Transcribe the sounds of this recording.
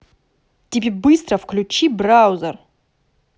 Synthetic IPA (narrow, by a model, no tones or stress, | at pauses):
tʲibʲebɨst̪rɐfklʲut͡ʃibrawzɐr